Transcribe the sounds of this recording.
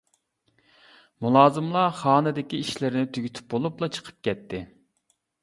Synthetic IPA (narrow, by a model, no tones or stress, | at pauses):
mulˠɑːzɨmlˠɑχɑːnɨd̪ɪkʲiiʃlɪɾɪnɪt̪ʰyɡʲyt̪ʰy̥p̚bolˠuplˠɑt͡ʃʰə̥qʰə̥p̚kʲɛt̪ʰːɪ